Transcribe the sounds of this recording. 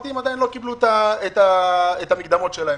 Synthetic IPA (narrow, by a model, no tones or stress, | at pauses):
t̪imadajinlo̞kiblut̪aet̪aet̪amikd̪amo̞tʃelae